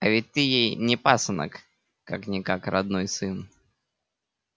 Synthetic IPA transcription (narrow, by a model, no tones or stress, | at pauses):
ɐvʲɪt̚ʲt̪ɨjejnʲɪpasənə̰k | kaknʲɪkakrɐd̪nojsɨn